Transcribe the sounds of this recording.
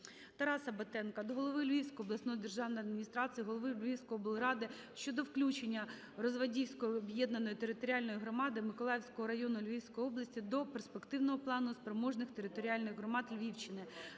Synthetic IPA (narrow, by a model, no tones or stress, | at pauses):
t̪ɐɾɑsɐbɐt̪ɛnkɐd̪ɔɦɔlˠɔʋɪlʲʋʲiwsʲkɔjiɔblˠɐsnɔjɔd̪erʒɑwnɔjɐd̪̚mʲinʲist̪ɾɑt͡sʲijiɦɔlˠɔʋɪlʲʋʲiwsʲkɔɔbʊlˠɾɑd̪ɪ | ʃt͡ʃɔd̪ɔwklʲut͡ʃenʲːɐ | rɔzʋɐdʲiwʲsʲkɔjiɔbjɛd̪nɐnɔjit̪eɾɪt̪ɔɾʲiɑlʲnɔjiɦɾɔmɑd̪ɪmɪkɔlˠɑjwʲsʲkɔɦɔɾɐjɔnʊlʲʋʲiwsʲkɔjiɔblˠɐsʲtʲid̪ɔperspekt̪ɪwnɔɦɔplˠɑnʊspɾemɔʒnɪxt̪eɾɪt̪ɔɾʲiɑlʲnɪɣɦɾɔmɑd̪lʲʋʲiwt͡ʃɪnɪ